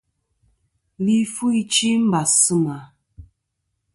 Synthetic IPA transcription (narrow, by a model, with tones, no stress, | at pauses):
li˦fu˦i˦t͡ʃi˦m̩˦ba˨sɨ˦ma˨